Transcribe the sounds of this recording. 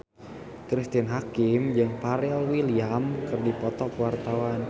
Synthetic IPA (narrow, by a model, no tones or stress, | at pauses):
kɾist̪inɦakimd͡ʒɨŋpaɾɛlwiliamkɨrdipɔt̪ɔkwart̪awan